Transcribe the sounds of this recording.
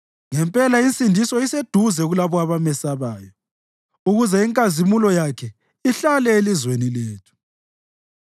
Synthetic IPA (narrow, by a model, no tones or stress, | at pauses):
ŋɛmpʼɛlaint͡sʼindʱisɔised̥ʱuzɛuɣulaβɔaβamɛsaβaːjɔ | uɣuzɛiŋkʼazimulɔjakʰɛ | iɬalɛelizwenileːtʰu̥